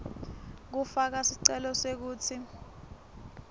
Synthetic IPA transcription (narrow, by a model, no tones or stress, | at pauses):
k̬ufak̬asiǀɛlɔsek̬uːt͡sʰi